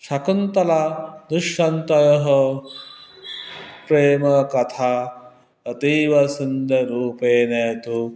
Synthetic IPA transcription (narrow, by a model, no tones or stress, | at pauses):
ʃɐkunt̪ɐlad̪uʃːɐnt̪ɐjɐɦɐ | pɾeːmɐkɐt̪ʰaː | ɐt̪iːʋɐsund̪ʱɐɾuːpeːneːt̪u